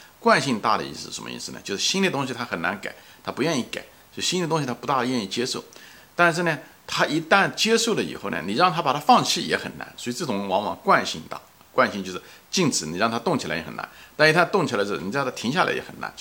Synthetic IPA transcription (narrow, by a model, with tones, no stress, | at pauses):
kwa˥˧nɕi˥˧ŋt̪a˥˩d̪ə̰˩ḭ˥˩s̩˧˥˩ə˧˥mə̰˧ḭ˥˧sɹ̩˧˩nə̰˨˩t͡ɕjo˥˧ʊʂ̩˥˧˩ɕi˥nli˥˩t̪ʊ˥ŋɕ̬i˧t̪ʰa˥xə˨˩na˧˥nka˨˩˦ | t̪ʰa˥pu˧˥ɥɛ˥˧ni˥˩ka̰˨˩˦ | jo˥˩ʂ̩˥˩ɕi˥nli˥˩t̪ʊ˥ŋɕi˧t̪ʰa˥pu˧˥t̪a˥˩d̪ə˩ɥɛ˥˧ni˥˩t͡ɕjɛ˥ʂo˥˩ʊ | t̪a˥˧nʂ̬ɻ̩˥˩nɛ˩ | t̪ʰa˥ʔi˧˥t̪a˥˩nt͡ɕjɛ˥ʂo˥˩ʊlə˩ḭ˨˩xo˥˩ʊnɛ̰˩ni˨˩ɻɑ˥˩ŋt̪ʰa˥pa˨˩t̪ʰa˥fɑ˥˧ŋt͡ɕʰi˥˩jɛ̰˧˥xə˨˩nna̰˧˥nswɔ˧˥i˧t͡sɤ˥˩ʈ͡ʂʊ˧˥ŋwɑ˧˥ŋwɑ̰˨˩˦ŋkwa˥˧nɕi˥˧ŋt̪a̰˥˩ | kwa˥˧nɕi˥˧nt͡ɕo˥˧ʂ̩˥˩ | t͡ɕi˥˩nt͡sʰɹ̩˧˩˦ni˨˩ɻɑ˥˩ŋt̪ʰa˥t̪ʊ˥˩ŋt͡ɕʰa̰˧˥ɪjɛ̰˧˥xə̰˨˩na̰˧˦nt̪a˥˧nʂ̩˥˧˩t̪ʰa˥t̪ʊ˥˩ŋt͡ɕʰa˧˥t͡ɕo˥˩ni˨˩˥t̪ʰa˥t̪ʰi˧˥ŋɕja˥˩la̰˧˥ɪjɛ̰˧˥xə̰˨˩na̰˧˥n